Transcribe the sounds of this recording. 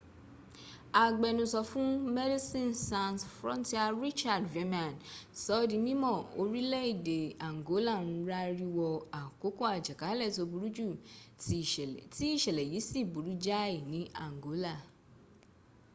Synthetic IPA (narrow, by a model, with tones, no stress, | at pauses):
a˨ɡ͡bɛ˨nũ˨sɔ˧fũ˦mɛ˦di˦sĩ˦˨nsã˨nsfɾɔ̰̃˦n˦ti˦a˦˨ɾi˦t͡ʃa˦˨dve˦mã˨nsɔ˨˦dĩ˧nĩ˦mɔ̃˦˨o˧ɾi˦lɛ˦i˦˨de˨a˨ŋ˨ɡo˨˦la˦˨nũ˧ɾa˦ɾi˦wɔ˧a˨ko˨˦ko˦a˨d͡ʒa˨ka˨˦lɛ˦˨to˧bu˨ɾu˦d͡ʒu˦˨ | ti˦i˦˨ʃɛ˨lɛ˨ji˨˦si˦˨bu˨ɾu˦d͡ʒa˦i˨nĩ˨˦a̰˨ŋ˨ɡo˨˦la˦˨